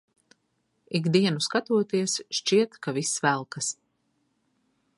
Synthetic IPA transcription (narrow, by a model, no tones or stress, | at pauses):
iɡd̪iɛnuskat̪uɔt̪iɛsʃt͡ʃiɛt̪kavisːvælˠkas